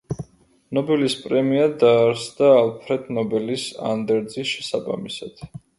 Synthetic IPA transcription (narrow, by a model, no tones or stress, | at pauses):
nɔbɛlispʼɾɛmiad̪aːɾsd̪aːlˠpʰɾɛd̪nɔbɛlisa̰nd̪ɛɾd̪zisʃɛsaba̰misad̪̥